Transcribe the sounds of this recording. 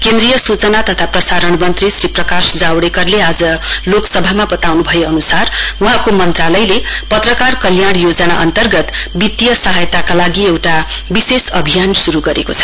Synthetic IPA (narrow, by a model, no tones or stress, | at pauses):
kend̪rijʌsut͡sʌnat̪ʌt̪ʰaprʌsaɾʌɳ̃mʌnt̪risriprʌkasd͡zawɽekʌrlead͡zʌloksʌbʱamabʌt̪awnubʱʌjeʌnusaruɦãkomʌnt̪ralʌjlepʌt̪rʌkarkʌljaɽ̃jod͡zʌna̰ʌnt̪ʌrɡʌt̪bit̪jʌsʌɦajt̪akalaɡiewʈa | bisesʌbʱijansuɾuɡʌɾḛkot͡sʰʌ̥